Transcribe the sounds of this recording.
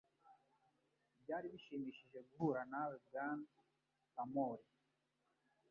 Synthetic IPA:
bjaːɾiβiʃimiːʃiʒeɡuɦuɾanaweɡan | kamoːɾi

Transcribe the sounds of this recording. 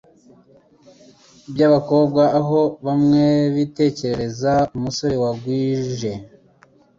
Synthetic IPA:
bjaβako̞bɡaːɦo̞βamŋe̞βite̞ːce̞ɾe̞ɾe̞zaumuso̞ɾewaɡwiːʒe̞

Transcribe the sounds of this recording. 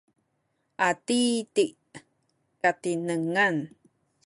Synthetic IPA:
ʔat̪it̪iʔ | kat̪inəŋan

